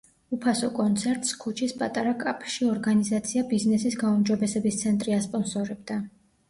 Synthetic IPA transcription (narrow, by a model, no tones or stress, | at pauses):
upʰasɔkʼɔnt̪sʰɛɾt̪ʼskʰut͡ʃʰispʼat̪ʼaɾakʼapʰʃiɔɾɡanizat̪sʰiabiznɛsisɡaumd͡ʒɔbɛsɛbist̪sʰɛnt̪ʼɾiaspʼɔnsɔɾɛb̚d̪a